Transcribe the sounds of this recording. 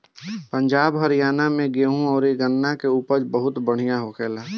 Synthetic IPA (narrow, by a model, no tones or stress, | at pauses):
pə̃ɲd͡ʒaːbɦəɾijaːnamẽɡeːɦũɔːɾeɡənːakeuːpəɾd͡ʒbəɦʊt̪bəɽ̤ijaɦokʰeːlaː